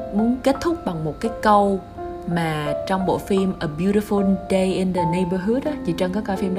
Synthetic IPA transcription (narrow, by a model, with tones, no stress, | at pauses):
mu˨˦ənke˦˥t̚t̪ʰʊ˦˥k͡p̚ɓa˨˩ŋmo˨˩t̚kaː˨˦jkə˧w | maː˨˩t͡ɕɔ˧wŋ͡mɓo̰˧˨fi˧mʔə˨˩bju˧ɾi˧fu˧nɗe˧jʔi˧ndə˨˩ne˧bə˧ɦɨ˨˦əɗɔ˨˦t͡ɕḭ˧˨˩t͡ɕə˧nkɔː˨˦kaː˧˩fi˧mɗ